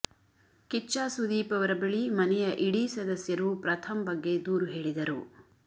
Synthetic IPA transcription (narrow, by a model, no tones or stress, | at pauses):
kit͡ʃaːsud̪iːpɐʋɐɾɐbeɭimɐnɛjɐʔiɽisɐd̪ɐsjɐɾupɾɐt̪ʰɐmbɐɡːe̞d̪uːɾuɦe̞ːɭid̪ɐɾṵ